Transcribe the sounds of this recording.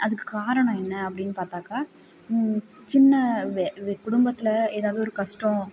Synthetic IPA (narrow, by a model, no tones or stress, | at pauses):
ɐðɯkːɯ̥kaːɾɐɳɐ̃ɛnːɐɐpːɐɽɪnːɯpaːɾt̪aːkaː | t͡ʃɪnːɐʋkʊɽʊmbɐt̪ːɪlɐeːðaːʋðɯɔɾɯkɐʂʈõ